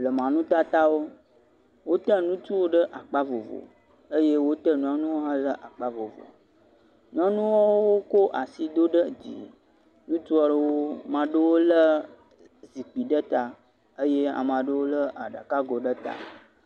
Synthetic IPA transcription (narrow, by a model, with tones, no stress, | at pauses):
lə˨mã˨nũ˦t̪a˦t̪a˦wo˦ | wo˦t̪ə˦nũ˦t͡ʃu˦wo˦ɖə˦ʔa˨k͡pa˦vo˨vo̰˨ | ə˦je˦wo˦t̪ə˦nũ˦ã˨nũ˦wo˦ɦã˦lə˦ʔa˨k͡pa˦vo˨vo̰˨ | nũ˦a˦nũ˦wɔ˦wo˦ko˦ʔa̰˨si˨d̪o˦ɖə˦d͡ʑḭ˨ | nũ˦t͡ʃu˦ɔ˦ɖə˦wo˦mã˨ɖə˦wo˦lə˦ | zi˨k͡pi˨ɖə˦t̪a˨ | ə˦je˦a̰˨mã˨ɖə˦wo˦lə˦ʔa˨ɖa̰˨ka˦ɡo˨ɖə˦t̪a̰˨